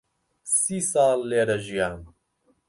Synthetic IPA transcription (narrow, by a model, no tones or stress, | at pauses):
siːsaːlːeːɾɐʒijaːn